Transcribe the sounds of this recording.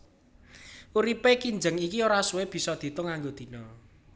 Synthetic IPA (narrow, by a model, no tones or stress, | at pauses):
uɾipekind͡ʒəŋikioɾasuweb̥i̤sɔd̪̥i̤t̪ʊŋːaŋɡod̪̥i̤nɔ